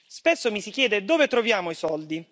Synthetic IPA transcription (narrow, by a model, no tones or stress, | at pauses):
spesːomisikjɛːd̪ed̪oːvet̪ɾovjaːmoisɔld̪i